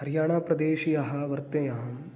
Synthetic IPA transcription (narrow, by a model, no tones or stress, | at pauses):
hɐɾjaːɳaːpɾɐd̪eːʃijɐɦɐ̆ʋɐɾt̪ɐjaːm